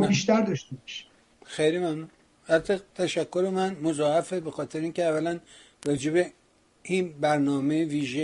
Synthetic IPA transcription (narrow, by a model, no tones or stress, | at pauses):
biʃt̪æɾd̪ɒʃt̪ebɒʃi̥ | xejlimæmnun | hæt̪ʰet̪ʰæʃækʰːo̞ɾemænmozɒːhæfebexɒːt̪ʰeɾeiːncʲeævːælæn | rɒːd͡ʒe̞be | inbæɾnɒːmejeviːʒe